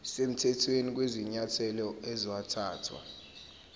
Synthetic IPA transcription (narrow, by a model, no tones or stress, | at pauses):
sem̩tʰɛtʰwenik̬weziɲatʰɛlɔɛziwatʰaːtʰwa̰